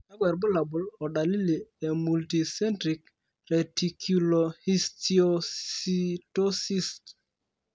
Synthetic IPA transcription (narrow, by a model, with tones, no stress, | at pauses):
a˦ɡɛ˨ɾbʊ˦la˨bʊ˨lɔ˨da˨li˦li˨e˨mu˨lti˨sɛ˦ntɾi˨k | rɛ˨ti˨kʰu˨lo˨hi˦stio˦i˦to˦si˦st